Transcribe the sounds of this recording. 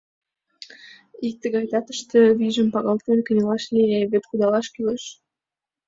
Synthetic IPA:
ik̚t̪ə̆ɡɑjd̪ɑt̪ə̥̆ʃt̪ə̆viʒə̆mpɑɣɑlˠt̪enʲkə̆nʲelˠɑʃlʲeevepχud̪ɑlˠɑʃkyləʃ

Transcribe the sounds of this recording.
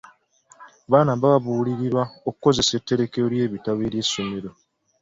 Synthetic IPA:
βaːnaβaβaβuːliɾiɾwaokuko̞ze̞setːe̞ɾe̞kejoɾje̞ːβitaβeɾje̞someɾo̞

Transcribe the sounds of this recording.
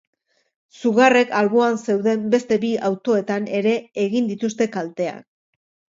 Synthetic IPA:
suɣare̞kalβoanse̞wðe̞mbe̞st̪e̞biawt̪o̞e̞t̪ane̞ɾe̞ːɣind̪it̪ust̪e̞kalt̪e̞a̰k

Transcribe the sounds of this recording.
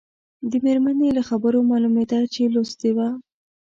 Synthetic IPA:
d̪əmeɾmanelaxabəɾomɑlumed̪at͡ʃelost̪ewa

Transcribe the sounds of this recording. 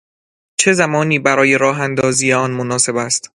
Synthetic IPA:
t͡ʃʰe̞zæmɒːniːbæɾɒːje̞ɾɒːɦænd̪ɒːziːeɒːnmonɒːse̞bæst̪

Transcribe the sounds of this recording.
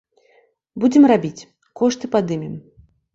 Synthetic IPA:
bud͡zʲɛmrabʲit͡sʲ | kɔʂt̪ɨpad̪ɨmʲɛm

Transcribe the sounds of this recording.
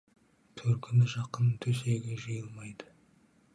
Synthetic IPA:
t̪ʰɵɾkʲʰɪnɪʒɑqənt̪ʰɵs̬eɡʲeʒəjəlˠmɑjd̪ə

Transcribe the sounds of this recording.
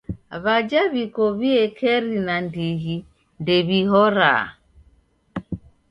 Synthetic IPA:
βad͡ʒaβikɔβiɛkʰɛɾinandiɦi | ndɛβiɦɔɾa̰

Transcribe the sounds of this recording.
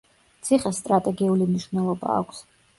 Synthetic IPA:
t̪sʰiχɛsːt̪ʼɾat̪ʼɛɡiulimniʃvnɛlˠɔba̰ːkʷʰs

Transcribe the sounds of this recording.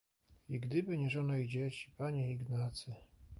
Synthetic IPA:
iɡd̪ɘbɘɲɛʐɔnɔjd͡ʑet͡ɕi̥paɲɛiɡnat̪sɘ

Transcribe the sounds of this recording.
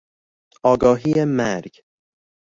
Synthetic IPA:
ɒːɡɒːɦiːemæɾɟ

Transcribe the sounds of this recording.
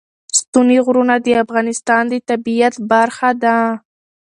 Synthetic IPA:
st̪uniɣɾunad̪əafɣɑnɪst̪ɑnd̪ət̪abijat̪baɾxad̪a

